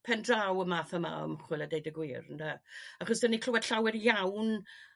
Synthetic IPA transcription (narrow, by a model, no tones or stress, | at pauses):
pʰɛndrawəmaːθəma̰ə̰mχwɪlˠadejdəɡwiːrəndaaχɔsdənikʰlʊwɛd̥ɬawɪrjawn